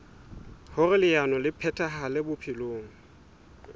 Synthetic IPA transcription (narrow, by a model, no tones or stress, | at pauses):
hʊrɪlɪjanɔlɪpʰɛtʰʼaɦalɪbʊpʰɪloːŋ̩